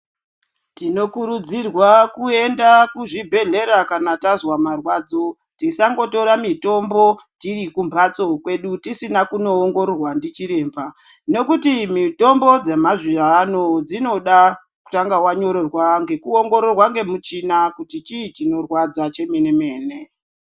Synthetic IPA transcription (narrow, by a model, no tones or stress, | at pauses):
tino̞kuɾud͡zirwakue̞ndakuʐibʱe̞ɮe̞ɾakanatazwamarwaːd͡zo̞ | tisaŋɡo̞to̞ɾamito̞mbo̞tiɾikumbat͡so̞kwe̞ɗutisinakuno̞ːŋɡo̞ɾorwandit͡ʃiɾe̞ːmba | no̞kutimito̞mbo̞d͡zemaʐianod͡zino̞ɗa | ku̥taŋɡawaɲo̞ɾorwaŋɡe̞kuoŋɡo̞ɾorwaŋɡe̞mut͡ʃinakutit͡ʃit͡ʃino̞rwad͡zat͡ʃe̞meneme̞ːne̞